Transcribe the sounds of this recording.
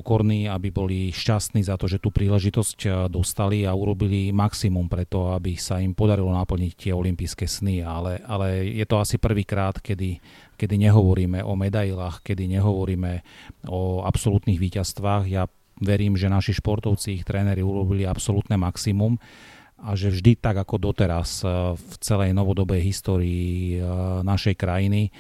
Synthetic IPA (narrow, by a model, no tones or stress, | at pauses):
ɔkɔɾniːabibɔliʃcast̪niːzat̪ɔʒɛt̪uːpɾiːlɛʒit̪ɔscd̪ɔst̪aliauɾɔbilimaksimumpɾɛt̪ɔabisaimpɔd̪aɾilɔnapl̩ɲict̪ɪɛɔlimpiːskɛsnialɛʔalɛjɛt̪ɔasipr̩ʋiːkɾaːt̪kɛd̪i | kɛd̪iɲɛɦɔʋɔɾiːmɛʔɔmɛd̪ajilaːxkɛd̪iɲɛɦɔʋɔɾiːmɛɔa̰psɔlut̪niːɣʋiːcast̪ʋaːɣja | ʋɛɾiːmʒɛnaʃiʃpɔɾt̪ɔʊt͡siixt̪ɾɛːnɛɾiuɾɔbiliapsɔlut̪nɛmaksimum | aʒɛvʒd̪it̪aɡakɔd̪ɔt̪ɛɾasft͡sɛlɛjnɔʋɔd̪ɔbɛjɦist̪ɔːɾiː | naʃɛjkɾajini